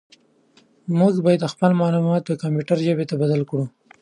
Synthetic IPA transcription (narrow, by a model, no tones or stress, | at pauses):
mʊɡbɑjad̪xpəlmɑlumɑt̪̚d̪əkampjuʈaɾʒəbet̪abad̪alkɽu